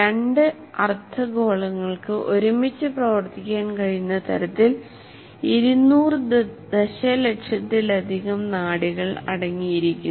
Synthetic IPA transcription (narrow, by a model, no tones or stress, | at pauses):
eɳɖɨ | ɐrt̪ʰːɐɡo̞ːɭɐŋːɐɭkɨʔo̞ɾumit͡ɕːɨprɐʋɐrt̪ikʲːaːnkɐɻinːɐt̪ʰɐɾɐt̪ːil | iɾunːuːrɨd̪eɕɐlekʂɐt̪ːilɐd̪ʱiɣɐmnaːɽiɣɐɭɐ̰ɽɐŋːijiɾikʲːu